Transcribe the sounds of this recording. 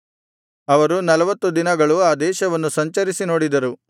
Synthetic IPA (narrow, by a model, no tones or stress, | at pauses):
ɐʋɐɾunɐlɐʋɐt̪ːud̪inɐɡɐɭuaːd̪ɛːʃɐʋɐnːusɐɲt͡ʃɐɾisinoːɽid̪ɐɾu